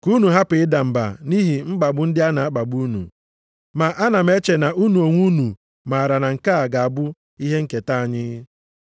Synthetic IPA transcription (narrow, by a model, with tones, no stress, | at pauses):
ku˦nu˨ɦa˦pɪ˨˦ɪ˦da˨m̩˨ba̰˨ni˦ɦi˨ŋ͡m̩˦ɡ͡ba˨ɡ͡bʊ˦n̩˦dɪ˦a˦na˨a˦k͡pa˨ɡ͡bu˦nṵ˨ | ma˨ʔa˦na˨m̩˦e˦t͡ʃe˨na˨ʔu˦nu˨o˨ŋʷu˦nu˨ | ma˨ɾa˨na˨ŋ̩˨ka˦a˨ɡa˨a˨bʊ˦ | i˦ɦe˦ŋ̩˦ke˨ta˦a˨ɲɪ˦ɣɪ˦